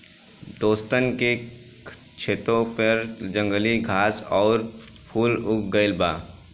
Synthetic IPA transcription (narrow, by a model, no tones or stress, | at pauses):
d̪oːst̪ənke | t͡ʃʰeːt̪ɾõpəɾd͡ʒə̃ŋɡəliɡʱaːsɔːɾ | pʰuːlʊkɡəɪlba̰ː